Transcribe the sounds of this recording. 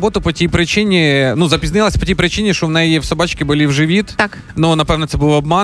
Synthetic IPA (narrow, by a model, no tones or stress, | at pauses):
bɔt̪ʊpɔtʲijpɾɪt͡ʃɪnʲinuzɐpʲiznɪlˠɐsʲpɔtʲijpɾɪt͡ʃɪnʲiʃt͡ʃɔwnɛjiwsɔbɑt͡ʃkʲɪbʊlʲiwʒɪʋʲit̪t̪ak | nunɐpɛʋnɐt̪sɛbuʋɐbmɑ